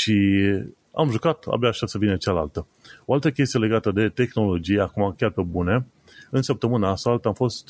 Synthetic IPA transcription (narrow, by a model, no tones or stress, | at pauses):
ʃi | a̰mʒukat̪a̰bjaʃasəvinət͡ʃala̰lt̪ə | o̞alt̪əkʲe̞s̬t̪ije̞le̞ɡat̪əd̪e̞t̪e̞xno̞lo̞d͡ʒijakumakʲarpe̞bune̞ | ɨnsəp̚t̪əmɨnaːsalt̪əamfo̞st̪